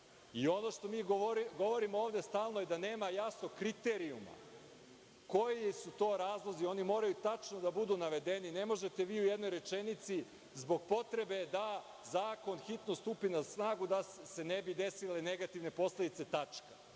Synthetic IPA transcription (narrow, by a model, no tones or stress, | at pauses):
io̞noʃt̪o̞miːɡoɾiɡo̞ʋo̞ɾimooːʋd̪e̞st̪aːlˠnoje̞d̪ane̞ːmajasno̞kɾit̪eɾiṵma̰ | kojisut̪o̞ːɾaːzlˠo̞zio̞nimo̞ːɾajut̪at͡ʃnod̪abud̪uːnaʋe̞d̪e̞nine̞mo̞ʒe̞t̪e̞ʋiːujed̪nojɾe̞t͡ʃe̞nit̪si | zbo̞ɡ̚po̞t̪ɾe̞be̞d̪a | zaːko̞nxit̪nost̪upinasnaːɡud̪ase̞nebid̪e̞sile̞ne̞ɡat̪iʋne̞po̞sled̪it̪set̪at͡ʃkḁ